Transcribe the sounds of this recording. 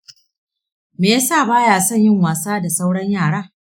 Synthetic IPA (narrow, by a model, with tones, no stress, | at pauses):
meː˨ja˦saː˦˨baː˦jaː˨sɔ˦˨ɲjɪ˦˨ŋwaː˨saː˦da˨sa˦wɽɐ˦ɲjaː˦˨ɽaː˦˨